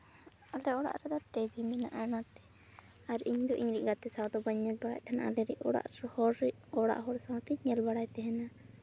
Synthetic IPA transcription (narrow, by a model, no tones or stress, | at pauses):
alɛɔɽa̰ʔɾɛd̪ɔʈɛbimɛna̰ʔanat̪ɛ | aɾiɲd̪ɔʔiɲɾiʔɡat̪ɛsawd̪ɔbaɲɛlbaɽa̰ʔt̪ʰɛna̰ʔalɛɾḭʔɔɽa̰ʔɾhɔɾɛ | ɔɽa̰ʔɦɔɾsat̪ɛɲɛlbaɽajt̪ɛɦɛna